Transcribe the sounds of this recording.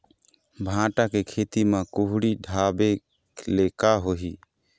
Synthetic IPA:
bʱãʈakekʰet̪imekuɦɽiɖʱabe | lekaɦoɦi

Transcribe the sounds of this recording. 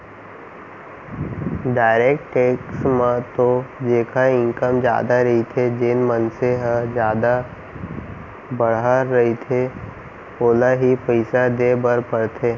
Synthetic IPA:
ɖaːɪɾeːkʈʈeːksmãt̪od͡ʒeːkʰaɪ̃ŋkəmd͡ʒja̰ːd̪aɾɐɦit̪ʰed͡ʒenmənseɦə̃d͡ʒjaːd̪a | bɐɽɦaɾːɐɦit̪ʰe | oːlaɦipəɪsad̪eːbəɾpəɾt̪ʰeː

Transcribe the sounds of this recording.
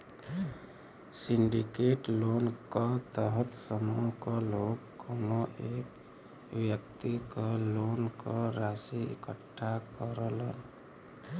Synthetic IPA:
siɳɖikeʈlonkət̪əɦət̪səmːukəlokkonoʔek | ʋjək̚t̪ikəlonkəɾasiḛkəʈʰːakəɾələn

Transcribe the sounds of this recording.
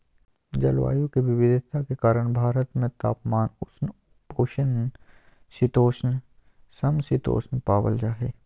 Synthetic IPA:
d͡ʒɐlʋa̰ːjũkeʋɪʋɪd̪ɪt̪ʰakekaːɾəɽ̃bʱaːɾət̪mẽt̪aːpmaːnʊsn | poːʃən | sɪt̪oːʃn | sɐmsɪt̪o̰ːʃnpaːwə̰ld͡ʒaːɦeː

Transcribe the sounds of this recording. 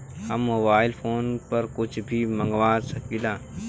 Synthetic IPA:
hɐmːoːbaːɪlpʰoːnpɐɾkʊt͡ʃʰbʱimɐ̃ŋɡʋaːɾsɐkilaː

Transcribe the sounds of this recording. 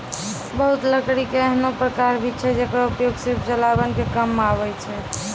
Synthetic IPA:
bəɦut̪ləkɽikeəɦnopɾəkaɾbʱit͡ʃʰɛd͡ʒekɾaupjoɡsiɾbʰt͡ʃəlabənkekəmaβɛt͡ʃʰɛ

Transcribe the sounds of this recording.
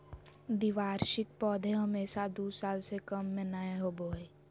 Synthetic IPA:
d̪iʋaːɾʃɪk̚pɔːd̪ʱẽɦəmeːʃad̪uːsaːlsekəmːẽnaeɦoboːe

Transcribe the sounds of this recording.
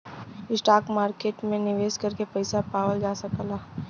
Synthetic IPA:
ɪsʈaːkmaːɾkeːʈmẽnɪʋeːskɐɾkepəɪsapaːwəld͡ʒaːsəklaː

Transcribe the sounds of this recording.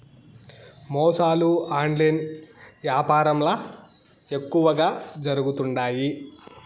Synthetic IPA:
mɔːsaːluaːɳɖlɐjnʋjaːpaːɾɐmlɐ | e̞kːuʋɐɡaːd͡ʒɐɾuɡut̪uɳɖaːji

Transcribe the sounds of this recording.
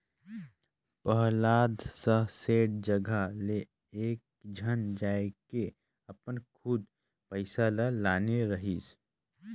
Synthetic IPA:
pəɦlaːd̪səɦseːɽd͡ʒəɡʱale | eːk̚ | d͡ʒʱənd͡ʒaːeke | əpənkʰud̪ | pəɪsalalaːneɾəɦiːs

